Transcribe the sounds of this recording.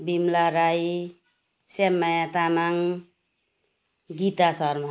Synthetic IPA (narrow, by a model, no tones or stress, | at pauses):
bimlaɾaj | semːajat̪amaŋ | ɡit̪asʌrm